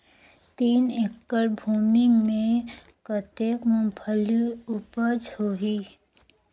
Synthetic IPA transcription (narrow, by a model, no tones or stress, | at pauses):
t̪iːnekːəɾbʱuːmimẽ | kət̪ekmupʰəliupəd͡ʒhoɦiː